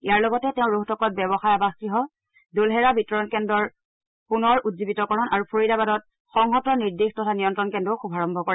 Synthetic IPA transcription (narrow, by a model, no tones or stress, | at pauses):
ijaɹlɔɡɔtɛtɛʊ̃ɹoɦtʰɔkɔt̚bɛbɔxajabaxkiɦɔ | dolɦɛɹabitɔɹɔnkɛndɔɹ | punɔɹutzibitɔkɔɹɔnaɹupʰoɹidabadɔt̚ | xɔŋɦɔtɔniɹdixtɔtʰanijɔntɹɔnkɛndɔxubʱaɹɔmbʱɔkɔɹɛ